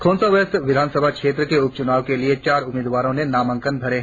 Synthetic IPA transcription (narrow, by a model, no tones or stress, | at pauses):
kʰõːnsaʋesʋɪd̪ʱaːnsəbʱakʃeːt̪̬ɾəkeʊp̚t͡ʃʊnaːʋkeliet͡ʃaːɾʊmeːd̪ʋaːɾõnẽnaːmə̃ŋkənbʱɐɾeɦ